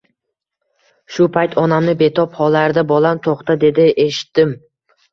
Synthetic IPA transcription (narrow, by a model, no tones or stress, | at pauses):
ʃʊpʰajt̪ʰɒnamnɪbe̞t̪ʰɒphɒlaɾd̪abɒlˠant̪ʰoχt̪ad̪e̞d̪ɪʔeʃɪ̥t̪ːɪm